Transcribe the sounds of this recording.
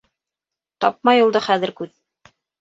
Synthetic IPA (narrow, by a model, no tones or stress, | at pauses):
t̪ɑp̚mɑjulˠd̪ɤχæðɘ̆ɾkʉt̪̚